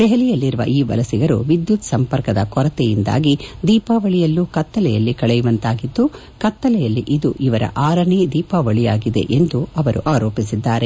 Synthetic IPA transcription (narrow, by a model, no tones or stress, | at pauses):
d̪ɛɦɛlijɐlːiɾuʋɐ̰ʔiːʋɐ̰lɐsiɡɐɾṵʋid̪jut̪sɐmpɐɾkɐd̪ɐkɔɾɐt̪ɛjind̪a̰ːɡid̪iːpaːʋɐɭijɐlːuːkɐt̪ːɐlɛjɐlːikɐɭɛjuʋɐnt̪aːɡid̪ːu | kɐt̪ːɐlɛjɐlːiʔid̪uʔiʋɐɾɐ̰ʔaːɾɐɳid̪iːpaːʋɐɭijaːɡid̪e̞̰ʔend̪uɐʋɐɾuʔaːɾo̞ːpisid̪ːaːɾe̞